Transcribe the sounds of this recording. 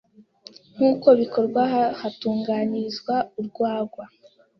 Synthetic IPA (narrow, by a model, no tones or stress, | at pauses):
ŋ̥uːko̞βiko̞ɾɡwahatuːŋɡaːnizɡwauɾɡwaːɡwa